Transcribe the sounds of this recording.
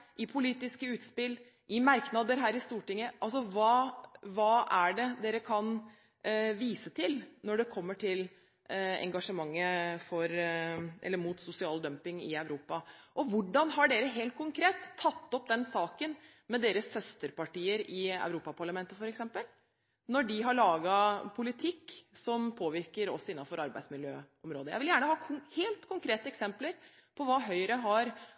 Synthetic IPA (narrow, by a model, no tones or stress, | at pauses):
ʔɪpʰʊliːt̪ɪskəʉːt̪spɪlː | ʔɪmɑɾknɑd̪əɾɦæːɾɪst̪uːʈɪŋːəʔɑls̬ɔʋɑːʋɑːæɖɛd̪eːɾəkʰɑn | ʋiːsət̪ʰɪlnɔɖɛkʰɔmːəʈʰɪl | ɛ̰ŋɡɑʂəmɑŋːəfɔɾʔɛ̰lːəɾmuːt̪sʊsɪɑːld̪œmpɪŋɪæʉɾuːpɑʔɔʋʊɖɑnɦɑɖeːɾəɦeːlt̪̚kʰʊŋkʰɾeːt̪ʰːɑt̪ːɔpd̪ɛnsɑːkən | mɛd̪eːɾəsːœst̪əɾpɑʈiːəɾɪæ̰ʉɾuːpɑpʰɑɭɑmɛnt̪əfɔɾɛksɛmpəl | nɔɖɪɦɑɭɑːɡɑpʰʊlɪt̪ʰɪkːsɔmpʰoːʋɪɾkəɾɔ̰sɔɪnːɑfɔɾɑɾbæ̰ɪsmɪljø̰ːɔmɾoːd̪əjæ̰ɪʋɪljæːɳəhɑːkʰʊheːlt̪kʰʊŋkʰɾeːt̪əɛksɛmpləɾ | pʰɔʋɑːɦœʏɾəɦɑɾ